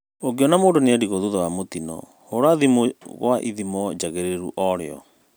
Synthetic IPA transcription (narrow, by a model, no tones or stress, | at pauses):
oɡeɔnamoːndoneadiɣoðuðɔwamot̪inɔ̰ | hoɾaðimoɣwaʔiðimɔd͡ʑaɣeɾeɾṵʔɔɾeɔ̰